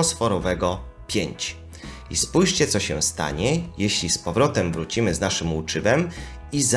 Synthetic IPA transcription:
ɔsfɔɾɔvɛɡɔ | pʲjeɲt͡ɕ | ḭspujʂt͡ɕɛt̪sɔɕɛst̪a̰ɲɛjeɕlʲispɔvɾɔt̪ɛmvɾut͡ɕimɘznaʂɘmut͡ʂɘvɛm | iz

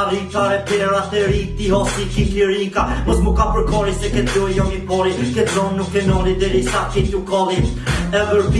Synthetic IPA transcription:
aɾikaɾɛpɛɾat̪ɛɾik̚t̪iɦɔsikikliɾikamɔsmukapəɾkɔɾisɛkɛt̪lɔijɔmipɔɾikɛt̪zɔnːukːɛnɔlid̪ɛɾisakit̪ukɔli | ɛvəɾp

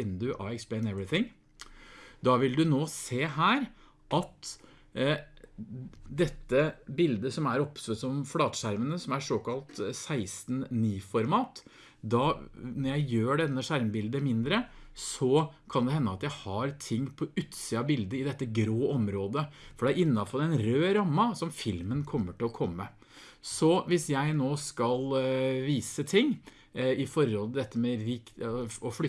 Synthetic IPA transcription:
ɪnd̪ʉʔɑ̰ɛksplɛɪnɛʋɾɪθɪŋ | d̪ɑʋɪld̪ʉnoːseːɦæːɾ | ʔɑt̪ | d̪ɛt̪ːəbɪld̪əsɔmæɾɔpsøsɔmflɑːt̪ʂæɾmənəsɔmæʂoːkɑlt̪sæɪst̪nniːfɔɾmɑːt̪ | d̪ɑnɔɾjæɪjøːɖɛnːəʂæɾmbɪld̪əmɪnd̪ɾəsɔkʰɑnd̪ɛhɛnːəɑt̪jæɪhɑɾt̪ʰɪŋːpʰɔʉt̪siːɑbɪld̪əɪd̪ɛt̪ːəɡɾoːʔɔmɾoːd̪əfɔɖɛæɾɪnːɑfɑlːəɛnɾøːɾɑmːɑsɔmfɪlmənkʰɔmːəʈɪlɔkʰɔmːə | sɔʋɪsjæɪnoːskɑlʋiːsət̪ʰɪŋː | ɪfɔɾhɔlt̪ɪd̪ɛt̪ːəmɛɾɪk̪ɔflʏ

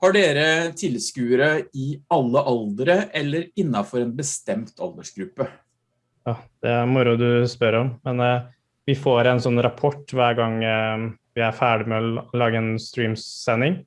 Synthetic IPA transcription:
hɑɖeːɾət̪ʰɪlskʉːəɾəɪɑlːəʔɑld̪əɾəʔɛlːəɾɪnːɑfɔɾɛnbəst̪ɛmt̪ʰɑ̰ld̪əʂɡɾʉpːə | jɑːd̪̥ɛæɾmʊɾʊd̪ʉspœɾɔmmɛn | ʋɪfoːɾɛnsɔnːɾɑpʰɔʈːʋæːɾɡɑŋ | ʋɪæɾfæːɖɪmɛɔlɑːɡəɛnst̪ɾiːmsɛnd̪ɪŋ

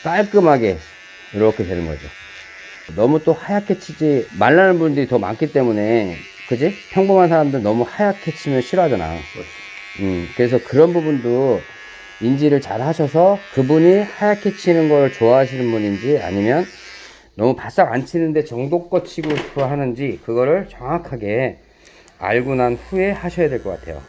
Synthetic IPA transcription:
k͈aɭk͈ɯmɦaɡe̞ | iɾʌkʰe̞te̞nɯnɡʌ̰d͡ʑo̰ | nʌmut͈ohajakʰet͡ɕʰid͡ʑimaɭːanɯnbundɯɾitʌma̰ŋkʰit͈e̞mune̞ | kɯd͡ʑipʰjʌŋbomɦansʰaɾamdɯɾinʌmuhajakʰe̞t͡ɕʰimjʌnɕʰiɾoɦadʌna̰jo̰̥ | ɯkɯɾe̞sʰʌkɯɾʌnbubundo | ind͡ʑiɾɯɭt͡ɕaɾhaɕʰʌsʰʌkɯbuɲihajakʰe̞t͡ɕʰinɯnɡʌɾɯɭt͡ɕoaɦaɕ̬ʰinɯnbuɲind͡ʑia̰ɲimjʌnː | ʌmupas͈aŋant͡ɕʰinɯnde̞t͡ɕʌŋdok͈ʌt͡ɕʰiɡoɕipʰɦanɯnd͡ʑikɯɡʌɾɯɭt͡ɕʌŋakʰaɡe̞ | a̰ɭɡunanɸue̞haɕʰʌjadwe̞ɭk͈ʌk͈a̰tʰe̞jo̰

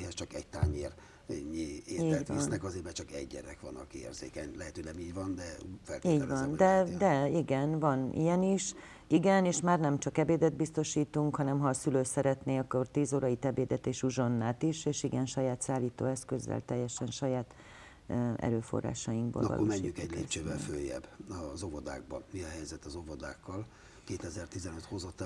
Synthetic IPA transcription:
hɛst͡ʃɒkɛ̰ɟt̪aːɲeːr | ɛɲːieiːɟɛvɔsnnɛkɒzeːbɛt͡ʃɒkɛ̰ɟɟɛ̰ɾɛkʋɒ̰nɒ̰kḛːrzḛːkɛɲlɛɦɛt̪øolɛmiːɟʋɒnd̪ɛfɛlkiːɟvɒnɛd̪ɛiɡɛnvɒnḭjɛniʃ | iɡɛneːʃmaːrnɛmt͡ʃɒkɛbeːd̪ɛd̪̚bist̪o̞ʃiːt̪uŋkhɒnɛmɦɒːsyløːsɛɾɛt̪neːɒkːort̪iːzoːɾɒit̪ɛbeːd̪ɛt̪eːʃuʒo̞nːaːt̪iʃeːʃiɡɛnʃɒjaːt̪saːlːiːt̪o̰ːɛskøzːɛ̰lt̪ɛjːɛʃɛnʃɒjaːt̪ | ɛ̰ɾøːfo̞̰rːa̰ːʃɒjiŋɡ̚bo̰lvɒ̰lʔmɛɲːykɛɟleːt͡ʃøːvɛlfø̰ːjɛ̰bːɒzovod̪a̰ːɡ̚bɒ̰nmiɒɦɛjzɛt̪ːɒzovod̪a̰ːkːɒl | keːt̪ɛzɛrt̪izɛnøt̪ho̞zot̪ːɛ

